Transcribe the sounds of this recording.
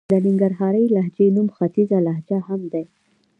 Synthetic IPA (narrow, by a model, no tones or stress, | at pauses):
d̪ənɪŋɡaɾɦɑɾəjlaɦd͡ʒenumxat̪izalaɦd͡ʒahamd̪e